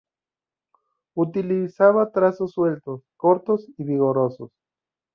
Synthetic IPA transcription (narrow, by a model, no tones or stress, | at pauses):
ut̪ilisaβat̪ɾasosːwelt̪oskoɾt̪osiβiɣoɾosos